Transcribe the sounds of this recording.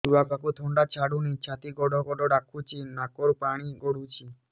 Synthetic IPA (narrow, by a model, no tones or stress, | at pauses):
d̪uakakut̪ʰɔɳɖat͡ʃʰaɽunit͡ʃʰat̪iɡɔɖʱɔɡɔɖɔɖakʰut͡ʃʰinakɔɾpaɽ̃iɡɔɽut͡ʃʰi